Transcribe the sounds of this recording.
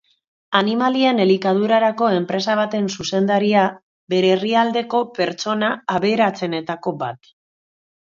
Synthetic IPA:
animaliene̞likað̞uɾaɾako̞e̞mpɾe̞saβ̞at̪e̞nsuse̞nd̪aɾia | be̞ɾeːriald̪e̞ko̞pe̞ɾt͡ʃo̞naːβeɾat͡se̞ne̞t̪ako̞bat̪

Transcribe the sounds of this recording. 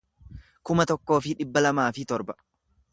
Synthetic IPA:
kʊmɐt̪ɔkːo̞ːfɪᶑɪbːɐlɐmaːfɪt̪ɔɾbɐ

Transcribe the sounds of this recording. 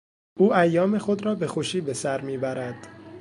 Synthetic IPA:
ʔuːʔæjːɒːme̞xod̪ɾɒːbe̞xoʃiːbe̞sæɾmiːbæɾæd̪̥

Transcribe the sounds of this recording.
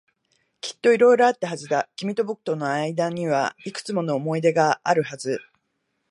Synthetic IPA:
kʲi̥t̪ːo̞iɾo̞iɾo̞at̪ːaɦazɨd̪akʲimʲit̪o̞bɯkɯ̟̥t̪o̞no̞aid̪aɲ̟iβaikɯ̥t͡sɨmo̞no̞ːmo̞id̪e̞ɡaaɾɯ̟hazɨ

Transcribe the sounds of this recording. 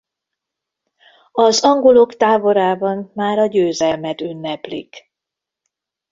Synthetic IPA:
ɒzɒŋɡo̞lo̞kt̪aːvo̞ɾaːbɒnmaːɾɒɟøːzɛlmɛt̪ynːɛplḭk

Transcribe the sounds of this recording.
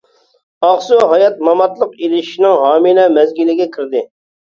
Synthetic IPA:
ɑχsuɦɑjɑt̪̚mɑmɑt̪lˠəqilɪʃʃinɪŋɦɑːminɛmɛzɡʲilɪɡʲɛkʲʰiɾd̪ɪ

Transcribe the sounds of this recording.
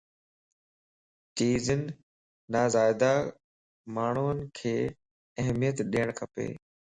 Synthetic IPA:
t͡ɕiːzənɪ̆ː | aːzaːɪd̪a | maːɳ̤uːənɪkʰeː | əɦmijət̪ɗiːəɽ̃kʰəpḛː

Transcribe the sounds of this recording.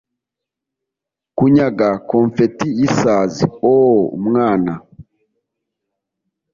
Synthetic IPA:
kuɲaɡakoɱfetijisaːzioṵmŋaːna

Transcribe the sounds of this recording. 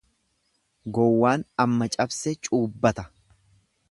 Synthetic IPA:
ɡɔwːaːnɐmːɐt͡ʃʼɐbsɛt͡ʃʼuːbːɐt̪ɐ̥

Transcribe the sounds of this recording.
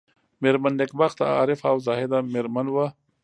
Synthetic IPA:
meɾmand̪ekbaxt̪a̰ːɾɪfawzɑhed̪ameɾmanwa

